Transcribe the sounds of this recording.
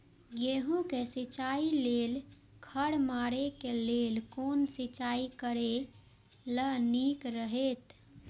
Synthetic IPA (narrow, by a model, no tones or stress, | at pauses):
ɡjeɦũkesit͡ʃaːileːl | kʰəɽmaːɾekeleːlkoːnsit͡ʃaːikəɾe | lənikɾəɦet̪